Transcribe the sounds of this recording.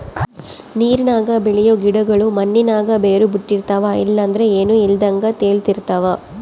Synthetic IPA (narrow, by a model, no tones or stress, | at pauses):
niːɾinaːɡɐbɛɭijoɡiɽɐɡɐɭumɐnːinaːɡɐbeːɾubiʈːiɾt̪aʋaḭlːɐːnd̪ɐɾeeːnuild̪ɐŋɡɐt̪eːɭt̪iɾt̪aʋa